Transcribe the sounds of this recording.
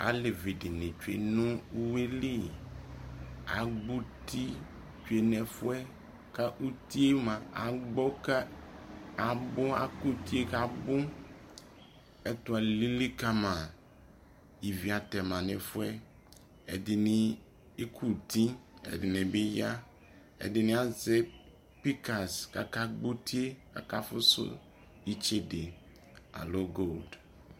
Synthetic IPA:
a̰˨˦le˨vi˨dɪ˨nɪ̃˨t͡ʃu˨ḛ˨nʊ̃˦u˦we˦li˦ | a˨ɡ͡bu˦t̪i˦ | t͡ʃu˨e˨nɛ̃˨fʊ˦ɛ˦ | ka˦ʔu˦t̪i˦e˦mã˨a̰˨ɡ͡bɔ˦ka˦ | a˨bʊ˦a̰˨ku˦t̪i˦e˦ka˨bʊ˦ | ɛ˦t̪ʊ˦a˨li˦li˦ka˦mã˨ | i˨vi˨a˨t̪ɛ˨mã˨ne˨fʊ˦ɛ˦ | ɛ̰˨dɪ˨nɪ˦ | e˦kʰu˦t̪ĩ˦ɛ̰˨dɪ˨nẽ˨bɪ˦ja˦ | ɛ̰˨dɪ˨nɪ̃˨˦a˨ze˦ | pi˦ka˨ska̰˨ka˦ɡ͡bo˦t̪ʰi˦e˦ka̰˨ka˦fʊ̰˦sʊ̰˦ | i˦t͡ʃe˦de˨ | a̰˨lo˦ɡo˦˨ld

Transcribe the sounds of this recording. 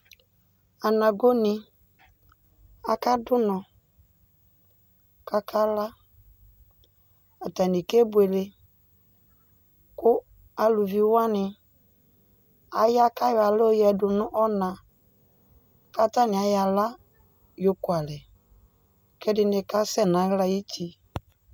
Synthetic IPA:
a˨na˨ɡo˦nɪ˨ | a˨ka˦dʊ˦nɔ˨ | ka˦kʰa˦la˦ | a˨ta˨ni˨ke˦bwe˨lɪ˦ | kʊ˦ | a˨lu˨vi˨˦wa˦nɪ˨ | a˨ja˦ka˦ja˨lo˦jɛ˨dʊ˨nʊ̃˦ʔɔ˦na˨ | ka˦ta˦nɪ˨a˨ja˨la˦ | jo˨kʊ˨a˨lɛ˨ | kɛ˦dɪ˦nɪ˨ka˦sɛ˦˨na˨˦ɣla˦ji˦tʰi˨

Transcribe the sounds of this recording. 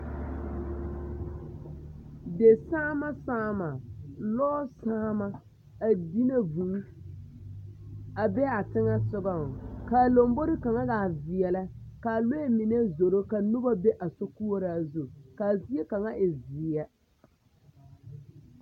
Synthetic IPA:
de˨saː˦ma˦saː˦ma˨lɔː˦saː˦ma˦ | a˨di˦ne˦vũ˨˦ | a˨bɛ˦a˨tɪ˦ŋa˦sʊ˦ɡɔ˦ŋ˨ka˨lo˨mbo˦ɾɪ˦ka˨ŋa˦ɣa˨vɪ˨ɛ˨la˦ka˨le˦e˦mɪ˨ne˦zo˨ɾo˦ka˨nʊ˦ba˦be˦ʔa˨so˦ku˦o˦ɾa˨zu˦ka˨zi˦e˦ka˨ŋa˦ʔɪ˨zɪ˨˦ɛ˦

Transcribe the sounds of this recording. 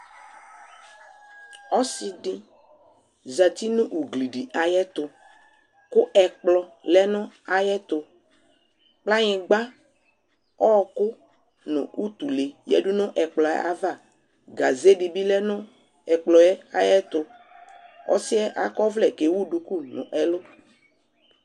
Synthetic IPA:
ɔ˦sɪ˦dɪ˦ | za˨t̪i˦nʊ̃˦ʔu˨ɡli˨ɖi˨ʔa˨jɛ˦t̪ʊ˨ | kʊ˦ʔɛ˨k͡plɔ˨lɛ˦nʊ̃˦a˨jɛ˦t̪ʊ˨ | k͡pla˦ɲɪ̃˨ɡ͡ba˦ | ɔ˦˨kʊ˦ | nʊ̰̃˨u˦t̪u˨le˨jɛ̰˦dʊ˦nʊ̃˦ʔɛ˨k͡plɔ˨ɛ̰˦a̰˦va˦˨ | ɡa˨ze˦di˨bi˦lɛ˦nʊ̃˦ | ɛ˨k͡plɔ˨jɛ˦a̰˨jɛ˦t̪ʊ˨ | ɔ̰˦sɪ˦ɛ˦ʔa̰˦kɔ˦vlɛ˨ke˨wu˦ɖu˨ku˦˨nʊ̰̃˨ʔɛ˨lʊ˦

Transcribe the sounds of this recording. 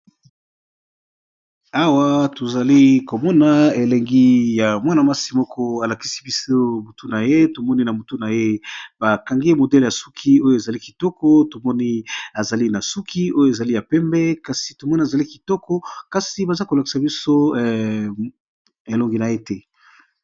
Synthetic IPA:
a˦wa˦to˨za˨li˦ko˨mɔ˦na˨e˨lɛ˨ŋɡi˦ja˨mwa˦na˨ma˦si˨mɔ˦kʰɔ˦a˨la˨ki̥˦si˦bi˦so˦mo˨tu˦na˨je˦to˨mɔ˦ni˦na˨mo˨tu˦na˨je˦b̥a˨ka˨ŋɡe˦e˦mo˨dɛ˦lja˨su˦kʰi˦o˦jo˨e˨za˨li˦ki˨tɔ˦kɔ˦to˨mɔ˦ni˦a˨za˨li˦na˨su˦kʰi˦o˦jo˦e˨za˨li˦ja˨pɛ˦mbɛ˦ka˨si̥˨to˨mɔ˦ni˦a˨za˨li˦ki˨tɔ˦kɔ˦ka˨si˨ba˨za˦ko˨la˨ki̥˨sa˨bi˦so˦˨ | e˨lo˨ŋɡi˨na˨je˦tɛ˦

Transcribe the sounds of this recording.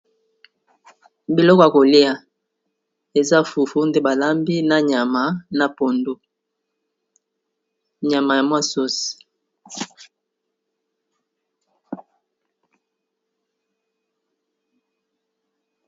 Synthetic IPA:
bi˨lɔ˦kɔ˨ja˨ko˨li˦a˨ | e˨za˦fu˨fu˦nde˦ba˨la˦mbi˦na˦ɲa˨ma˨˦na˨po˨ndo˦ | ɲa˨ma˨ja˨mwa˦so˦si̥˨

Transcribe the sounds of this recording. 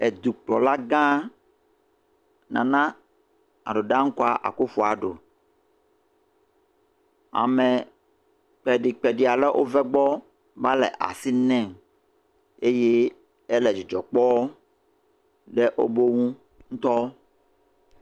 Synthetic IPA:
ɛ˨d̪u˨k͡plɔ˨la˦ɡã˦ | nã̰˨nã˦ | a̰˨ɖo˨ɖã˦ŋ̩˦ko˦a˨ʔa̰˨ku˦fu˦a˨ɖo˨ | a̰˨mɛ˨ | k͡pɛ˨ɖi˨k͡pɛ˨ɖi˨a˨lɛ˦ʔo˦vɛ˦ɡ͡bɔ˦ | va˦lɛ̰˨ʔa̰˨si˦nɛ̃˨ | e˦je˦ | e˦lɛ˨d͡ʒi˨d͡ʒɔ˨k͡pɔ˦ | ɖɛ˦ʔo̰˦bo˦wũ˦ | ŋ̩˦t̪ɔ˦

